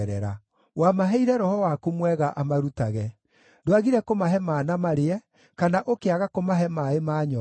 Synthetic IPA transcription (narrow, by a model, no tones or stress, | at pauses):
ɛɾɛ̰ɾa̰ | wamaɦɛiɾɛɾɔhɔwakomwɛɣaʔamaɾutaɣɛ | doaɣiɾɛkomaɦɛmaːnamaɾeɛ | kanaʔokeaɣakomaɦɛmaemaːɲɔ